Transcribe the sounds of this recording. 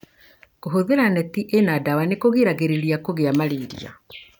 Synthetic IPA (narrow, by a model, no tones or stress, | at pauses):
koɦoðeɾanɛtiʔenadawanekoɣiɾaɣeɾeɾiakoɣeamaɾeːɾḭa̰